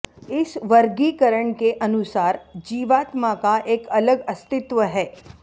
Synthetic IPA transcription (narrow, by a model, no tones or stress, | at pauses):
ɪsʋəɾɡikəɾəɳkeʔənusaːɾd͡ʒiːʋaːt̪makaʔeːkələɡəst̪ɪt̪ʋəɦɛː